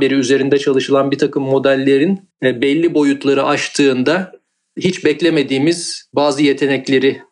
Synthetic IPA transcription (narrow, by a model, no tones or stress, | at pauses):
beɾiyze̞ɾind̪ɛt͡ʃʰalˠɯʃɯlˠanbit̪ʰakɯmːo̞d̪ælʲːe̞ɾin | bɛlʲːibo̞jut̪lˠaɾɯʔat͡ʃt̪ʰɯːnd̪a | hit͡ʃbɛclʲeme̞d̪iːmiz̥baːzɯje̞t̪ʰe̞nɛclʲe̞ɾɪ